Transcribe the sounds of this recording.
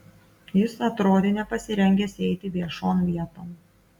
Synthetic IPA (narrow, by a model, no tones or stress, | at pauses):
jɪsɐt̪ɾoːd̪ʲeːnʲɛpɐsʲɪɾʲɛŋʲɡʲeːsʲɛɪt̪ʲɪʋʲiɛʃoːnʋʲiɛt̪oːm